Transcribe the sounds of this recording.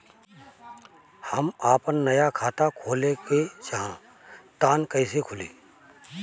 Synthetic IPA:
hɐmaːpənːɐjakʰaːt̪akʰoːleket͡ʃaɦã | t̪aːnkəɪsekʰʊlḭː

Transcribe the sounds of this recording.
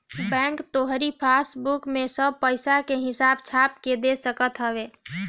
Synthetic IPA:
bɛ̃ːŋkt̪oɦɾipʰasbukmẽsəb̚pəɪsakeɦɪsaːbt͡ʃʰaːp̚ked̪esəkət̪ɦəbeː

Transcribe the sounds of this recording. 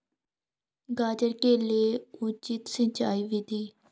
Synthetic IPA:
ɡaːd͡ʒəɾkeːleːʊt͡ʃit̪sə̃t͡ʃaːiːʋɪd̪iː

